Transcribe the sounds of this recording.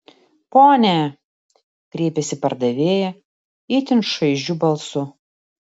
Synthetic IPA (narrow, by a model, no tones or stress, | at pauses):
poːnʲɛ | kɾʲeːpʲɛsʲɪpɐɾd̪ɐʋʲeːjɛ | ɪt̪ʲɪnʃɐɪʒʲubɐlˠsʊ